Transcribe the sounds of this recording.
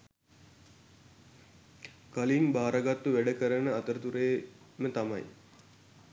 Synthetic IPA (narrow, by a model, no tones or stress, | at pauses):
kaliŋbaːɾaɡat̪ːuʋæɖəkəɾənəat̪əɾət̪uɾeː | mət̪ama̰j